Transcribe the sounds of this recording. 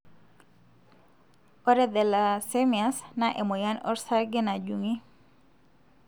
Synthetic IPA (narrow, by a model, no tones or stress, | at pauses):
ɔɾɛd̪ɛlasemiasnaʔɛmɔjanɔ̰ɾsaɡɛnad͡ʒuŋi